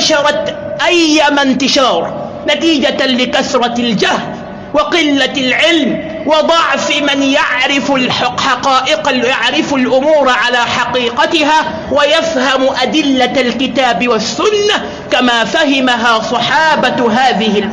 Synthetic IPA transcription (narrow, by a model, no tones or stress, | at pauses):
ʃɑɾˤɑt̪ʔajːamant̪ɪʃɑːɾˤ | nat̪iːd͡ʒalɪkaθɾˤɑld͡ʒahl | wɪqɪlːalʕɪlm | wɑd̪ˤɑʕfmɪnjaʕɾɪflħɑqɑːʔɪqjaʕɾɪfalʔʊmuːɾʕalaːħɑqiːqɑt̪ɪɦaː | wajafhamʔad̪ɪlːalkɪt̪aːbɪwasːʊnːa | kamaːfahɪmaɦaːsˤɑħɑːbaɦaːðɪhɪ